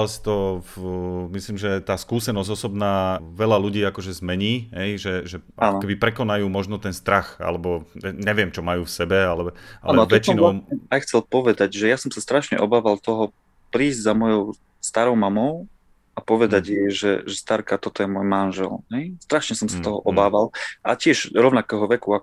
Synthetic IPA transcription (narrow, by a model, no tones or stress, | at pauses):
lst̪ɔ | misliːmʒɛt̪aːskuːsɛnɔzɔsɔbnaːʋɛʎaluɟiːakɔʒɛzmɛɲiːɦɛjʒɛʒɛʔaɔnkɛbipɾɛkɔnajuːmɔʒnɔt̪ɛnst̪ɾaxa̰lɛbɔɛɲɛʋɪɛmt͡ʃɔmajuːfsɛbɛalɛaalɛnɔt̪ɔɛt͡ʃimnlaɛajxt͡sɛlpɔʋɛd̪aɟʒɛjasɔmsast̪ɾaʃɲɛ̰ʔɔbaːʋalt̪ɔɦɔ | pɾiːzɟzamɔjɔʊ | st̪aɾɔʊmamɔʊ | apɔʋɛd̪aɟjɛʒɛʒɛst̪aɾkat̪ɔt̪ɔjɛmɔjmanʒɛ̰lɦɛjst̪ɾaʃɲɛsɔmsat̪ɔɦɔ̰ʔɔbaːʋalʔa̰cɪɛʒɾɔʊnakɛːɦɔʋɛkuak